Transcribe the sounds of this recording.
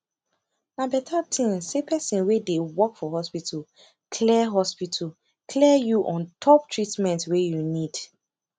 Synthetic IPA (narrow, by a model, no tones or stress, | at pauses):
nabɛtʰatʰĩnsepʰɛsĩnwedewɔkfɔɦɔspitʰal | kʰlɛɦɔspitʰal | kʰlɛjuʔɔ̃ntʰɔp̚tʰɹitmɛ̃ntwejunid̥